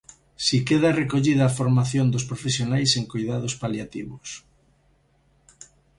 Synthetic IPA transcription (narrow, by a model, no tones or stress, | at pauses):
sikeðarekoʎiðaːfoɾmaθjond̪ʊspɾofesjonajseŋkojðað̞ospaljat̪ḭβʊs